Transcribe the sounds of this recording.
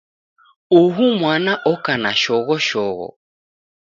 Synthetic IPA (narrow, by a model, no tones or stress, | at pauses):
uɦumwanaʔɔkanaʃɔɣɔʃɔɣɔ̰